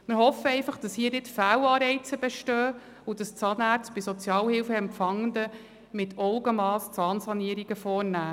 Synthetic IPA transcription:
mɪɾɦɔfəɛɪfɑχd̥ɑshiːədɪtfæːlɑːɾɛɪt͡səbɛʃtœː | udɑst͡sɑːnæːɾt͡stb̥ɪsɔt͡sjɑːlhɪlfəɛmfɑŋːənd̪ə | mɪtʰɔʊɡəmɑːst͡sɑːnsɑniəɾiɡ̥əfɔːɾnæː

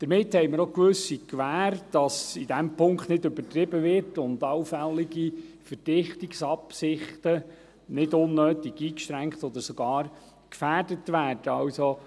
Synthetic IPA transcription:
d̪̥əɾmɪthɛjməɾokʋɵsikʋæːɾd̥ɑsid̥̪ɛmpʊŋkχt̪nɪdɵbətɾɪbəʋɪɾtʊndɑwfɛlːiɡi | fəɾd̥ɪχt̪iksɑpsɪχt̪ə | nɪdʊnːøːt̪iɡiːkʃtɾæŋkt̪ɔd̪əɾsɔɡ̥ɑːɾ | kfæːrdətʋæːrd̥əɑwso

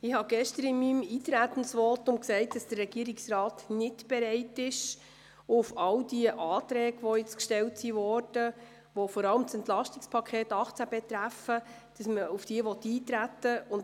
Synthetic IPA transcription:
ɪhɑɡ̥ɛʃtəɾɪnmːimiːtɾætən̩sʋɔːtʊmksɛɪt̚d̥ɑsd̥ərrɛɡ̥iəɾɪksrɑːtnɪtb̥ɛɾɛɪtɪʃ | ʊfɑldiəʔɑːt̪ɾɛːɡʋɔjɪt͡skʃtɛltsivɔːɾd̥ə | ʋɔfɔɾɑləmt͡sɛntlɑʃtɪkspʰɑkʰχeːtɑχt͡sæb̥et̪ɾæfə | d̥ɑsməʊfd̥iəʋɔtːiːtɾætːəʊn

